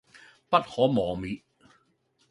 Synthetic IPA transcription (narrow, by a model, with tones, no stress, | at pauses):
pa˦˥t̪̚hɔː˨˥mɔː˨˩mi˨ʔ